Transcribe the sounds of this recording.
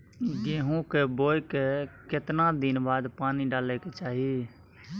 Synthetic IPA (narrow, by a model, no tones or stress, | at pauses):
ɡeːɦũːkeːboːjkekɪt̪nãːd̪ɪnbaːd̪paːniːɖaːleːket͡ʃaːɦi